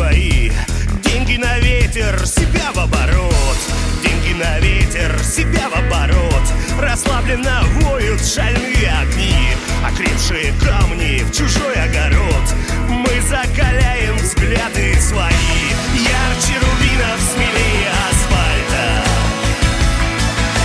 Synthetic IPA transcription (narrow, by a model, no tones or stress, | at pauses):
ɐidʲenʲɡʲɪnɐvʲetʲɪrsʲɪbʲavɐbɐɾot̪dʲenʲɡʲɪnɐvʲetʲɪrsʲɪbʲavɐbɐɾot̪rɐslˠablʲɪnəvojʊt̪ʂalʲnɨjəɐɡnʲiɐkɾʲefʂɨjəkamnʲɪft͡ɕʊʐo̞jɐɡɐɾot̪ | mɨzəkalʲæjɪmvzɡlʲad̪ɨsvɐijart͡ɕɪɾʊbʲinəfsmʲɪlʲejɐsfalʲt̪ə